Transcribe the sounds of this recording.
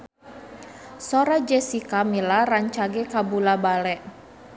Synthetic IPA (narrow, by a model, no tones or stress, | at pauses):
sɔɾad͡ʒɛsikamilaraɲt͡ʃaɡɛkabulabalɛʔ